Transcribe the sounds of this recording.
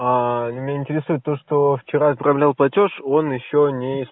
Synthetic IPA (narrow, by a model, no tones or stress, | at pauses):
anʲmʲnʲaɪnʲtʲɪɾʲɪsujt̪ːo̞ʂt̪o̞ft͡ɕɪɾazpɾɐvlʲalˠplˠɐtʲo̞ʂo̞njɪɕːo̞nʲɪɪs